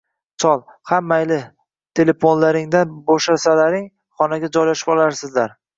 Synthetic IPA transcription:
t͡ʃʰɒlˠhamːajlɪ | t̪ʰe̞le̞fonlaɾɪŋd̪anbɒʃasalaɾɪŋ | χɒnaɡʲad͡ʒɒjlaʃɪ̥pɒlaɾsɪzlaɾ

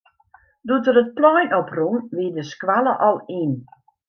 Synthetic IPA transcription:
dutəɾət̚plɔjnɔprunʋidəskʋaləʔɔlˠin

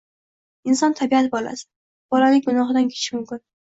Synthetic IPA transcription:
ɪnsɒnt̪ʰabiat̪ɪbɒla̰sɪ̥ | b̥ɒlanɪɡʊnɒχɨd̪ankʲʰe̥t͡ʃʰɪʃmʊmkʲɪn

